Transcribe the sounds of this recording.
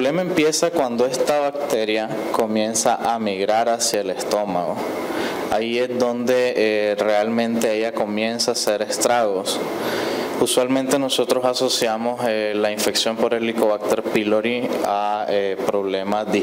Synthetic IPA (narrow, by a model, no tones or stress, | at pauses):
lemaempje̞sakwand̪o̞e̞st̪aβakt̪e̞ɾja | ko̞mjẽ̞nsaʔamiɣɾaɾasjaele̞st̪o̞ma̰ɣo̞̰ | aie̞zd̪o̞nd̪e̞re̞almẽ̞nt̪e̞eʝako̞mje̞nsaːse̞ɾe̞st̪ɾaɣo̞s | uswalmẽ̞nt̪e̞no̞so̞t̪ɾo̞saso̞sjamo̞selaiɱfe̞ksjo̞mpo̞ɾe̞lːiko̞βak̚t̪eɾpiloɾiaepɾo̞βle̞mazði